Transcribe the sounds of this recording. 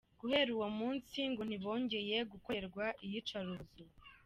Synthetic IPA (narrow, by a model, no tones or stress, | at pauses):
ɡ̥uhe̞ɾuwomuːnsiŋɡon̥iβo̞ːɲɟe̞je̞ɡukoɾɡwaʔijit͡ʃaɾuzu